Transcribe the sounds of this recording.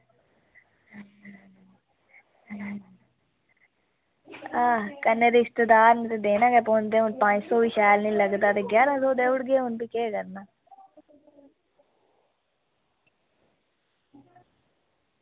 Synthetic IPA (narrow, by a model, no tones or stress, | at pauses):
aːkənːeːd̪eɪst̪əd̪aːɾnt̪eːd̪eːnãːkeːpoːnd̪eːʊnpãːɲd͡ʒsoːʋiʃaːlnĩːləɡd̪aːt̪eːɡjaːɾãːsoːd̪eːʊɽɡeːʊnpiːkeːkəɾnaː